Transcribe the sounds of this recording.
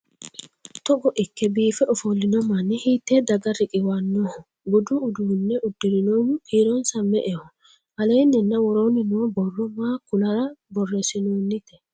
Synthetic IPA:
t̪ɔkɔʔɪkːɛbiːfɛɔfolːɪnɔmɐnːɪhiːt̪ːeːd̪ɐɡɐrɪkʼɪwanːohɔ | bʊd̪ʊʊd̪uːnːɛʔʊd̪ːɪɾɪnoːmʊkʰiːɾɔnsɐmɛʔɛhɔ | ʔɐleːnːɛnːɐwɔɾoːnɪnoːbɔrːɔmaːkːʊlɐɾɐbɔrːɛsɪnoːnːɪt̪ɛ̥

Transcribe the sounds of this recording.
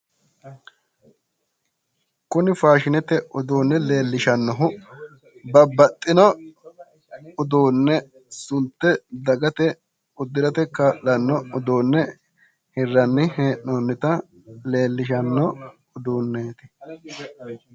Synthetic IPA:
kʊnɪfaːʃɪnɛt̪ɛʔʊd̪oːnːɛle̞ːlːɪʃɐnːɔɦʊ | bɐbːɐt̪ʼːɪnɔ | ʊd̪oːnːɛ | sʊnt̪ːɛd̪ɐɡɐt̪ɛ | ʊd̪ːɪɾɐt̪ɛkːɐʔlɐnːɔʊd̪oːnːɛ | hɪrːɐnːɪheːʔnonːɪt̪ɐ | le̞ːlːɪʃ̬ɐnːɔ | ʊd̪uːnːeːt̪ɪ̥

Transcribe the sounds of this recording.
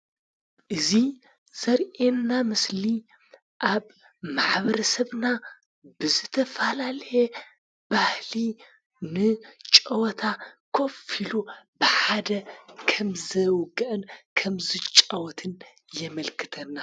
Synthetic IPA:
ʔɨzi | z̥ɐɾʔenːamɨsli | ʔaβ | maħβɐɾɐsɐβna | bɨzɨt̪ʰɐfalalɐje | b̥ahli | nɨt͡ʃʼɐwɔt̪ʰakʰofilub̥ɨħad̪ɐkʰɐmzɐwɔɡɐʔɨnkʰɐmzɨt͡ʃʼɐwɔt̪ʰɨn | jɛmɐlkʰɨt̪ʰɐnːa

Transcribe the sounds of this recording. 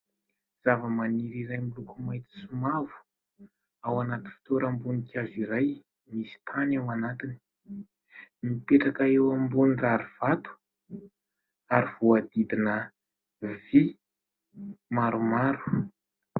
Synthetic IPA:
z̥avəmaniɾiɾajmilukumajt̪i̥sumavu̥ | awanat̪infi̥t̪oɾambunikʰʲaziɾaj | misi̥t̪ʰanawanat̪ini̥ | mipeʈ͡ʂakaewambuniraɾiv̥at̪u̥ | aɾiv̥uad̪id̪inə | vi | maɾumaɾu̥

